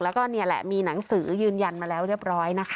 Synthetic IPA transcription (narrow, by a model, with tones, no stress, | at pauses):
lɛː˦˥kɔː˥˩ni˥˩əlɛ̰˨˩ʔmiː˧na˩˦ŋsɯː˩˦jɯː˧nja˧nmaː˧lɛː˦˥wɾi˥˩əp̚ɾɔː˦˥jna˦˥kʰ